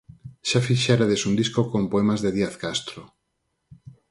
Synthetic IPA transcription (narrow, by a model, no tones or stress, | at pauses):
ʃafiʃaɾaðesund̪iskokompoemazðeðiaθkast̪ɾo